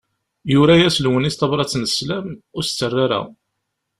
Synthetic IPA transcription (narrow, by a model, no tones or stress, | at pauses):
jʊɾæjæslwənist̪ɑvɾˤɑt͡sːnəslæmʊɾst͡sːərːaɾæ̰